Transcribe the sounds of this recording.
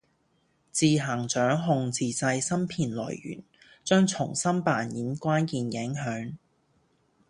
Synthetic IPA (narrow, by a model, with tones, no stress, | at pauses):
t͡siː˨˧ɦa˨˩ŋt͡ʃœː˨˥ŋɦʊ˨˧ŋt͡siː˨˧t͡sɐ˧jsɐ˥mpʰiː˨˩nlɔ̰ː˨˩jjy̰ː˨˩n | t͡ʃœː˥ŋt͡ʃʰʊ˨˩ŋsɐ˥mpaː˨njiː˨˥nkʷaː˥nkiː˨njɪ˨˥ŋɦœː˨˥ŋ